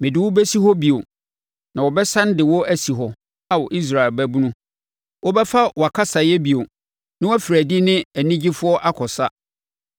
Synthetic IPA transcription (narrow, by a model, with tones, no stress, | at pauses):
mɪ̃˨dɪ˨wʊ˦bæ˦si˦ɦɔ˦bi˨o˨ | nã˨wɔ˨bɛ˦sã˦n˦dɪ˨wɔ˦æ˦si˨ɦɔ˨ | a˦˨wɔ˨ʔi˦s̬ɾa˨ɪ˨lbæ˦bũ˦nũ˦ | wɔ˦bɛ˦fa˦wɔ˨a˨kʰa˦sa˨jɛ˦bi˨o˨ | nɪ̃˦wæ˦fɾæ˨di˦nɪ̃˦æ˨nĩ˦d͡ʑi˦fʊ˦ɔ˦ʔa˦kʰɔ˨sa˦